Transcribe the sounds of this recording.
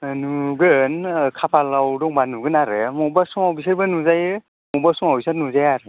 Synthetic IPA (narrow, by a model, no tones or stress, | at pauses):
nuɡɯnkʰapʰalawdɔŋbanuɡɯnaɾɯmɔbasuŋawbis̬ɯɾbɯnuzaj | mɔbasuŋawbisanuzajaɾɯ